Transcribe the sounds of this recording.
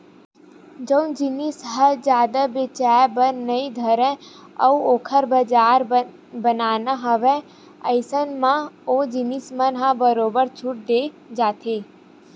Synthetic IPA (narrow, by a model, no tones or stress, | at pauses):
d͡ʒə̃ũnd͡ʒinisɦəd͡ʒjaːd̪əbet͡ʃajbəɾnəĩd̪ʱəɾẽ | ə̰ũokʰəɾbəd͡ʒaɾ | bənanəɦəʋe | ə̰jsənmãod͡ʒinismənɦãbəɾobəɾt͡ʃʰuʈ̚d̪e | d͡ʒat̪ʰe